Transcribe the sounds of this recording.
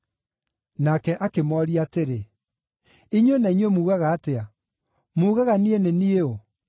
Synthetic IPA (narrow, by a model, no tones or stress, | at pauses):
nakɛʔakemɔɾiateɾe | iɲwenaiɲwemuːɣaɣaːtea | muːɣaɣanienenieo